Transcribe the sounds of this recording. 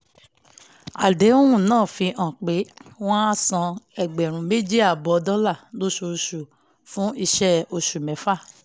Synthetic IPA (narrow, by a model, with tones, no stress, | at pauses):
a̰˨de˨˦ũ˦ũ˦˨nãː˦˨fi˧ʔã˨k͡pe˨˦w̃ɔ̃˦a˦sɔ̃˧ɛ˨ɡ͡bɛ˨ɾ̃ũ˨me˦d͡ʒi˦a˦˨bɔ˧dɔ˦la˦˨lo˦ʃu˧ɾu˧ʃu˨ | fũ˦i˧ʃɛ˦o˧ʃu˨mɛ˨˦fa˦˨